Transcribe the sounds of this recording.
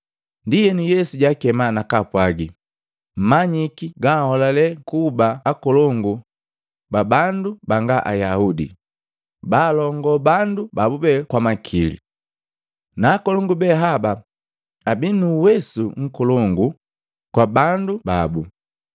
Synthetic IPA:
ndijɛnijɛsuɟakɛmanakapwaɡi | m̩maɲikiɡahɔlalɛkubaːkɔlɔŋɡu | babandubaŋɡaʔa̰jaudḭ | baːlɔŋɡɔbandubabubɛkwamakʰilḭ | naːkɔlɔŋɡubɛɦaba | abinuwɛsuŋ̩kɔlɔŋɡu | kwabanduba̰bu

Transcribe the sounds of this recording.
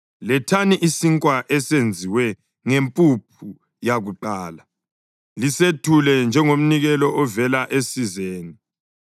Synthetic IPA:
lɛtʰaniʔisiŋkʼwaʔɛsend͡zʱiwɛ | ŋempʼup̚ʰu | jaɣuǃaːla | lisetʰulɛnd͡ʒʱɛŋom̩niɣɛlɔʔɔvɛlaʔesizeːni

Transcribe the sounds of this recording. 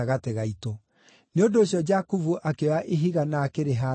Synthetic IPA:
aɣateɣaitɔ | neondoːɕjɔd͡ʒakuvuʔakewaʔeɦiɣanaːkeɾeɦa

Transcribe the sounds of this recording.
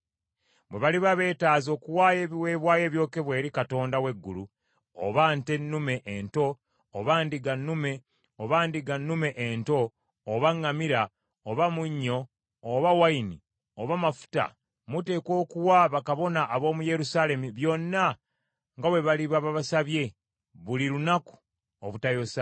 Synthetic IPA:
βwe̞βaliβaβe̞ːtaːzo̞ːkuwaːje̞ːβiwe̞ːβwaːje̞ːβjo̞ke̞βwe̞ːɾikato̞ːndawe̞ɡːulu | o̰βaːnte̞nːume̞ʔento̞ː | βaːndiɡanːume̞ | oβaːndiɡanːume̞ʔento̞ː | βaŋːamiɾa | oβamuɲːo̞ː | βawaini | oβamafu̥ta̰ | mute̞ːko̞ːkuwaβakaβo̞naʔːβo̞ːmuje̞ɾusale̞miβjo̞nːa | ŋɡawe̞βaliβaβaβasaβje̞ | βuliɾunaku̥ | oβutajosa

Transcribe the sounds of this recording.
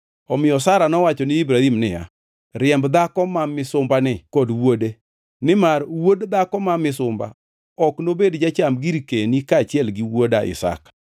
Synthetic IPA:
ɔmɪjɔsaɾanɔwat͡ʃɔnɪibɾahimnɪja̰ | rɪɛmbd̪akɔmamɪsʊmbanɪkodwode | nɪmarwodd̪akɔmamɪsʊmba̰ | ɔknobedd͡ʒat͡ʃamɡiɾikenikat͡ʃɪɛlɡiwodaʔɪ̰sa̰k

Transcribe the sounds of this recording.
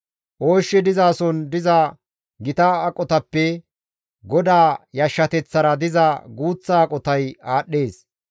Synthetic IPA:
ʔoːʃːɛd̪ɪzaːsɔnd̪ɪzɐ | ɡɪt̪aːkʼɔt̪ɐpːɛ | ɡɔd̪aːjɐʃːɐt̪ɛt͡sːɐɾɐd̪ɪzɐɡuːt͡sːaːkʼɔt̪ɐjaːɗːe̞ːs

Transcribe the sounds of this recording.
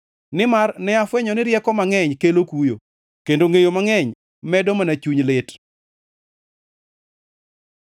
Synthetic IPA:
nɪmarnɛafwɛɲɔnɪɾjɛkɔmaŋɛɲkelokujo̰ | kendoŋejomaŋɛɲ | mɛdɔmanat͡ʃuɲlet

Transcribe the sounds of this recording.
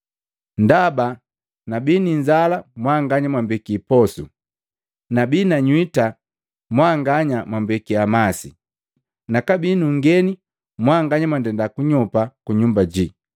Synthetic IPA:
ndaba | nabiniɲd͡ʒalamwaŋɡaɲamwambikipɔsu | nabinaɲwita | mwaŋɡaɲamwambɛkiamasḭ | nakabinuŋɡɛni | mwaŋɡaɲamwandɛndakuɲɔpakuɲumbad͡ʒi

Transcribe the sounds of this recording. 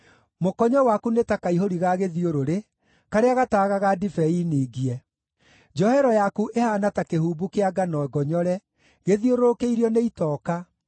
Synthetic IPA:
mokɔɲɔwakunetakaiɦoɾiɣaɣeðioɾoɾe | kaɾeaɣataːɣaɣadifɛiniːɡiɛ | d͡ʒɔhɛɾɔjakuʔehanatakehuːbukeaɡanɔɛɡɔɲɔɾɛ | ɣeðioɾoɾokeiɾiɔneitɔːka

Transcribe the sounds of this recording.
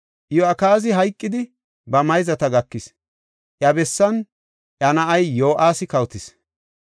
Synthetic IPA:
ʔjoɐkaːzɪɦɐjkʼːɪd̪ɪ | bɐmɐjzɐt̪ɐɡɐkːɪs | ʔjɐbɛsːɐn | ʔjɐnɐʔɐjːoːʔaːsɪkɐwt̪ɪs

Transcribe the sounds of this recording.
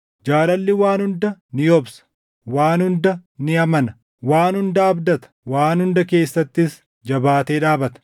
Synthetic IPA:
d͡ʒaːlɐlːɪwaːnhʊnd̪ɐnɪjɔbsɐ̥ | waːnhʊnd̪ɐnɪɐmɐnɐ | waːnhʊnd̪ɐɐbd̪ɐt̪ɐ̥waːnhʊnd̪ɐke̞ːsːɐt̪ːɪs | d͡ʒɐbaːt̪eːᶑaːbɐt̪ɐ̥

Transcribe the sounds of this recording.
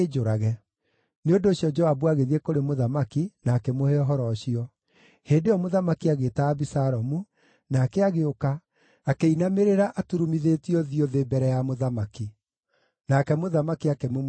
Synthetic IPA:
ed͡ʒoɾaɣɛ | neondoːɕiɔd͡ʒɔabuaɣeðiekoɾemoðamakinaːkɛmoheɔɦɔɾɔɕiɔ | heːndeɔmoðamakiaɣeːtaːbisaɾɔmu | naːkɛaɣeokaː | keinameɾeɾaʔatuɾumiðeːtiɔðiɔðeːbɛɾɛjamoðamaki | nakɛmoðamakiakɛmom

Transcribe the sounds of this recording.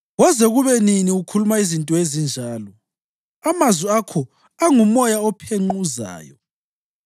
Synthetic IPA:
ɣɔzɛɣuβɛniniukʰulumaizintʼɔezind͡ʒʱaːlɔ | amazwiakʰɔ | aŋumɔjaɔpʰeŋ͡ǃuza̰ːjɔ̰

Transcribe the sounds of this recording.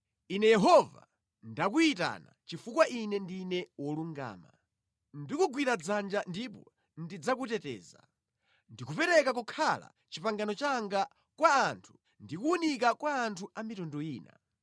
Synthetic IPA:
inɛjɛɦɔva̰ | ndak̬uita̰na̰t͡ʃifukwaʔinɛndinɛwɔluŋɡa̰ːma̰ | ndikuɡwiɾad͡zand͡ʒandipɔ | ndid͡zak̬utɛtɛ̰ːza̰ | ndikupɛɾɛkak̬ukʰala̰ | t͡ʃipaŋɡanɔt͡ʃaŋɡa | kwaːntʰu̥ | ndikuːnik̬akwaːntʰuamitɔndɔiːna̰

